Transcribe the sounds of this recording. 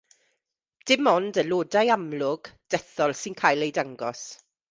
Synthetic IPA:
d̥ɪmɔndəloːdajamlʊɡ̥d̥ɛθɔlˠsɪnkʰaːjlˠejdaŋɡɔs

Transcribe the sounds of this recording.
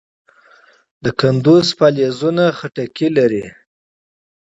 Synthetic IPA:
d̪əkand̪uzpalezunaxaʈakilaɾi

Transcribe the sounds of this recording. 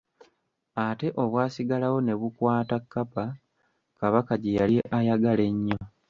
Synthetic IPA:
ate̞ʔo̞βwaːsiɡalawo̞ne̞βukwaːtakːapa | kaβakaɟejalieʔajaɡale̞ɲːo

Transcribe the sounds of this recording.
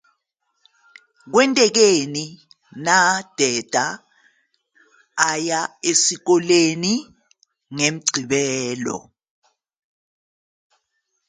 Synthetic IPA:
k̬wɛntʼɛk̬eni | nad̥ʱɛd̥ʱa | jaesik̬ɔleni | ŋem̩ɡ͡ǀʱiɓɛːlɔ̰

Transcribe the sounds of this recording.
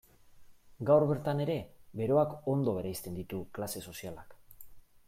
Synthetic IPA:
ɡawɾβe̞ɾt̪ane̞ɾe̞be̞ɾo̞ako̞nd̪o̞βe̞ɾajst̪e̞nd̪it̪uklase̞so̞sialak

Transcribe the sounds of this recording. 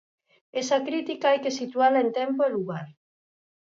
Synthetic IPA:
esakɾit̪ikaajkesit̪ualaent̪empoeluɣaɾ

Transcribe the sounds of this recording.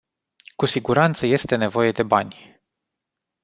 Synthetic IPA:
kusiɡuɾant̪səje̞st̪e̞ne̞vo̞je̞d̪e̞banʲ

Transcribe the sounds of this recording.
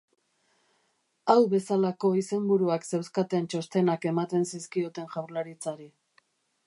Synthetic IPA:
awβe̞salako̞ise̞mbuɾuakse̞wskat̪ent͡ʃo̞st̪e̞nake̞mat̪e̞nsiskio̞t̪e̞nʝawɾlaɾit͡saɾi

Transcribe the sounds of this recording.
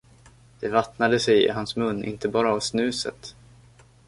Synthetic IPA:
d̪̥ɛvat̪nad̪əsɛjɪ̰ɦansmɵnːʔɪ̰nt̪əbɑːɾaːvsnʉ̟ːsə̰t̪

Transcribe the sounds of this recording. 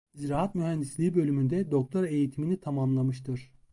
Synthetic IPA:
izɾaːɦat̪myɦænd̪islʲiːbø̞lʲymynd̪ɛd̪o̞k̚t̪ʰoɾe̞jit̪ʰiminit̪ʰamamlˠamɯʃt̪ɯɾ̥

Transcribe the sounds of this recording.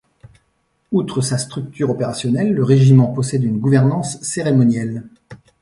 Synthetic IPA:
ut̪χəsast̪χyk̚t̪yʁɔpeʁasjɔnɛlːəʁeʒimɑ̃pɔsɛd̪ynɡuvɛʁnɑ̃sːeʁemɔnjɛl

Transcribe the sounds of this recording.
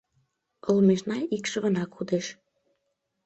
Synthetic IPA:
olmeʃnɑikʃə̆βə̆nɑkud̪eʃ

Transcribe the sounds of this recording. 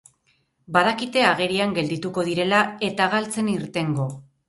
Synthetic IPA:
baðakit̪e̞aɣe̞ɾiaŋɡe̞ld̪it̪uko̞ð̞iɾe̞lae̞t̪aɣalt͡se̞niɾt̪e̞ŋɡo̞

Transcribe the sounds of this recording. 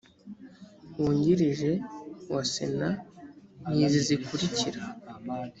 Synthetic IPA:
wuːɲɟiɾiʒe̞wasḛna | nizizikuɾiciɾa

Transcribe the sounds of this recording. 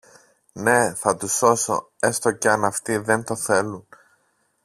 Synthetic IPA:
ne̞θɐt̪uso̞so̞̰ | e̞st̪oceɐnɐft̪iðe̞nt̪o̞θe̞lun

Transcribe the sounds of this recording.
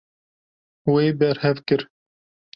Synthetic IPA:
wejbɛɾhɛvkɨɾ

